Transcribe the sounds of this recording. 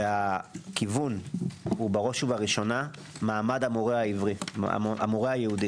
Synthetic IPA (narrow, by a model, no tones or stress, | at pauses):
akivunhubaʁoʃuvaʁiʃo̞na | maːmadamoʁeaivʁḭʔa̰moʁeajehudi